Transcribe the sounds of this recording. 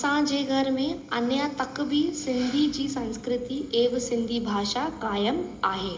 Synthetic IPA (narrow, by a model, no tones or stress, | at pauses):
ɐsãd͡ʑeːɡʱɐɾmẽɐnjat̪ɐkbʱisɪ̃nd̪ʱid͡ʑiːsɐ̃nskɾɪt̪ieːʋsɪ̃nd̪ʱibʱaːʃakaːjəmaːɦeː